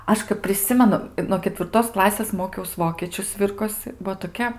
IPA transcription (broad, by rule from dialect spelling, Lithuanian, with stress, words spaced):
ˈɐʃ kɐp pʲrʲɪˈsʲɪmʲɛnʊ ɪ noː kʲɛtʲʋʲɪrˈtoːs ˈklˠɑːsʲeːs ˈmoːkʲɛʊs ˈʋoːkʲeːt͡ʃʲʊ ˈsʲʋʲɪrkoːsɨ ˈbuɔ toːˈkʲɛ